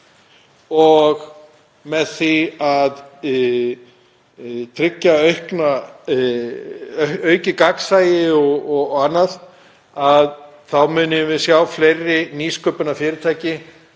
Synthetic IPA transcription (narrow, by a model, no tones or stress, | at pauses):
ɔɣ | mɛðθiað | t̪ʰɾɪcːaœɥhkna | œːɥcɪkaksaːjɪɔɔɣanːað | að | θawmʏːnɪvɪðsjaːwflejrːɪniːskœːpʏnafɪːɾɪt̪ʰaːjcɪ